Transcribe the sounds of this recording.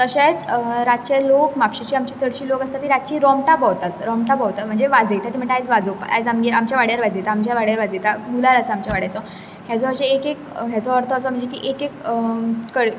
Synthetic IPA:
t̪əɕajt͡sɾat̪̚t͡ɕalokmapɕit͡ɕiːamt͡ɕiːt̪ʰəɽɕiːlokast̪at̪ːiɾat̪̚t͡ɕiːɾɔmʈapɔwt̪at̪ɾɔmʈapɔwt̪at̪̚m̤əɳd͡zeʋad͡zejt̪at̪im̤əɳʈeajd͡zʋad͡zopa̰jd͡zamɡiamt͡ɕjaʋaɽjaɾʋad͡zejt̪aːmt͡ɕjaʋaɽjaɾʋad͡zejt̪aɡulalasəamt͡ɕjaʋaɽjajt͡sɔ | ɦjat͡sɔəɕeekekɦjat͡sɔəɾt̪ɔsɔm̤əɳd͡zekiʔekekəkəɽ

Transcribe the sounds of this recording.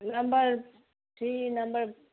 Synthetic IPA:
nɐmbəɾ | ʈinɐmbəɾ

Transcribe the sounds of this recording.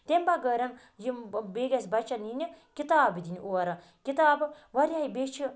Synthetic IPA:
t̪embaɡəɾɐn | jibeːɡɐsʲbɐt͡ʃɐninʲikit̪aːbid̪inʲʔoɐɾɐ | kit̪aːb | ʋɐɾʲaibet͡ʃʰi

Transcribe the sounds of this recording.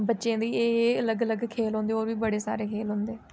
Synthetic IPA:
bətːʃẽːd̪iːeːələɡələɡkʰeːlɦõːnd̪eːoːɾʋiːbəɽeːsa̰ːɾeːkʰeːlɦʊ̃nd̪eː

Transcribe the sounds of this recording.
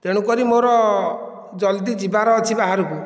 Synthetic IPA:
t̪eɽ̃ukɔɾimoɾɔ | d͡ʒɔld̪id͡ʒibaɾɔːt͡ʃʰibaɦaɾuku

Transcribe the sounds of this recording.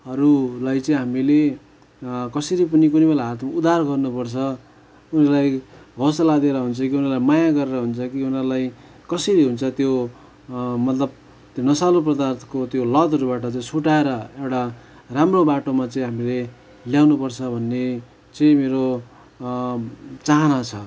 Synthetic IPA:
ɦʌɾulajt͡sʌĩɦamile | kʌseɾip̬ʌnikunibelaɦat̪ʰmud̪arɡʌrnupʌrt͡sʰʌ | unʌrlajɦʌsalad̪eɾʌɦunt͡sʰʌkiunʌrlajmajaɡʌɾeɾʌɦunt͡sʰʌkiunʌrlaj | kʌseɾiɦunt͡sʰʌt̪jo | mʌt̪lʌb̚ | t̪jonʌsalop̬rʌd̪art̪ʰkot̪jolʌd̪ʌɾubaʈʌt͡saĩsʰuʈaeɾʌewʈa | ramrobaʈomat͡sʌĩɦamile | ljawnupʌrt͡sʰʌbʱʌnːe | t͡sʌĩmeɾo | t͡saɦʌnat͡sʰʌ

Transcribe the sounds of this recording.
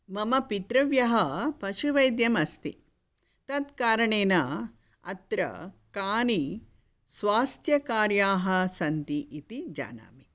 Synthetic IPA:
mɐmɐpit̪ɾɐʋjɐɦɐpɐʃuʋɐjd̪jɐmɐst̪i | t̪ɐt̪kaːɾɐɳeːnɐ | ɐ̰t̪ɾɐ̰kaːni | sʋaːst̪ʰjɐkaːɾjaːɦɐsɐnt̪iʔit̪id͡ʒa̰ːna̰ːmi

